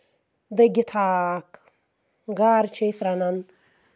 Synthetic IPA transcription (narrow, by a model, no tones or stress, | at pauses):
d̪ɐɡʲit̪ʰaːk | ɡaːɾt͡ʃʰejsɾanan